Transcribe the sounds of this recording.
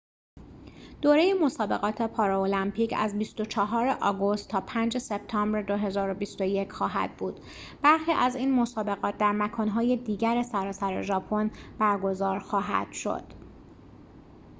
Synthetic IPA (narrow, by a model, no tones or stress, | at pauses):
d̪̥oːɾejemo̞sɒːbe̞̰ɣɒːt̪ʰe̞pʰɒːɾoolæmpʰiːcʰæ̰zbist̪o̞t͡ʃʰɒɦɒːɾeʔɒːɡo̞st̪ʰːɒːpʰænd͡ʒe̞se̞b̚t̪ʰɒːmbɾed̪o̞ɦe̞zɒːɾo̞bist̪o̞je̞cʰxɒːɦæ̰d̪̥̚buːd̪̥ | b̥æɾxiːʔæziːnmo̞sɒːbe̞ɣɒːt̪̚d̪æɾmækʰɒːnɦɒːje̞d̪iːɟæɾesæɾɒːsæɾe̞̰ʒɒːpʰo̞nb̥æɾɡo̞zɒːɾxɒːɦæ̰d̪̥ʃo̞̰d̪̥